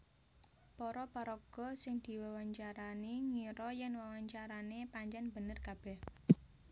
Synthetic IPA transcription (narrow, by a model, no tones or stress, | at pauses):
pɔɾɔpaɾɔɡ̥ɔ̤sɪŋd̪̥i̤wawaɲt͡ʃaɾaniŋiɾɔjɛnwawaɲt͡ʃaɾanepaɲt͡ʃɛnb̥ənərkab̥ɛh